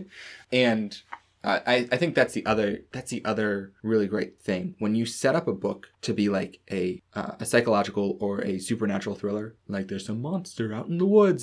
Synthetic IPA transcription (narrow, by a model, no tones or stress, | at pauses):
ɨ̃n | ʔʌ̰ʔaɪaɪθɪ̃ŋk̚ðætsðiʔʌðə˞ðætsðiʔʌðə˞ɹɪlˠiɡɹeɪt̪̚θɪ̃ŋwə̃njɨsɛɾʌpəbʊktʰɨbilaɪkʔɨʔʌ̰ɨsaɪkəlɑd͡ʒɨkl̩ˠə˞ɨsʉpə˞næt͡ʃɹl̩ˠθɹɪlˠə˞laɪk̚ðə˞zəmɑ̃nstə˞aʊɾn̩ðəwʊdz